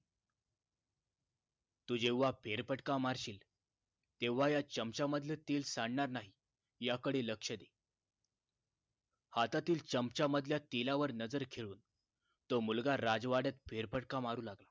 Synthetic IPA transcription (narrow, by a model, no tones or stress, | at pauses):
t̪ud͡ʑeʋːapʰeɾpəʈkamaɾɕiːl | t̪eʋːajat͡ɕəmt͡ɕaməd̪ʱljet̪iːlsaɳɳaɾnaɦi | jakəɽeləkʂəd̪e | hat̪at̪iːlt͡ɕəmt͡ɕaməd̪ʱljat̪elaʋəɾnəd͡zəɾkʰeɭuːn | t̪omulɡaɾad͡zʋaɽət̪̚pʰeɾpəʈkamaɾuːlaɡla